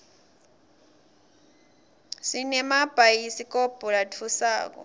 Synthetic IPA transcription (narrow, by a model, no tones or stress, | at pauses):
sinɛmab̥ʱaisikʼɔb̥ʱʼɔlatʰusa̰ːk̬ɔ̰